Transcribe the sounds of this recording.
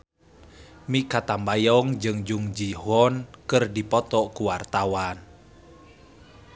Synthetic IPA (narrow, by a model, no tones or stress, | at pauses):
mikat̪ambajɔŋd͡ʒɨŋd͡ʒuŋd͡ʒiɦɔnkɨrdipɔt̪ɔkuwart̪awan